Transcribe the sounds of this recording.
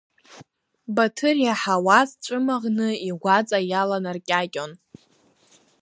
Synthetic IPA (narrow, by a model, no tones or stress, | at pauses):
batʰɨrjaħawazʈ͡ʂʷʼɨmaʁnɨiɡʷat͡sʼajalanarkʲʼakʲʼon